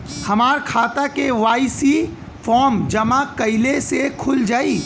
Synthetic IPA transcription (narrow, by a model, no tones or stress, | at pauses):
hɐmaːɾkʰaːt̪akeʋaːisi | fʰɔːɾmd͡ʒɐmakɐɪlesekʰʊld͡ʒaːiː